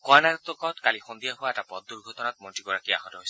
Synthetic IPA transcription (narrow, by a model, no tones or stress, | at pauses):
kwanat̪ɔkɔtkalixond̪ijaɦʊwaɛtapɔd̚duɹɡʱɔtɔnat̪̚mɔntiɡɔɹakia̰ɦɔtɔɦojsɛ